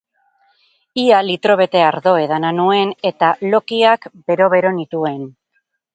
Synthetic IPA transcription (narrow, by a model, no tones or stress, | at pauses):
ialit̪ɾo̞β̞e̞t̪e̞aɾðo̞e̞ðananue̞ne̞t̪alo̞kiakbe̞ɾo̞βe̞ɾo̞nit̪ue̞n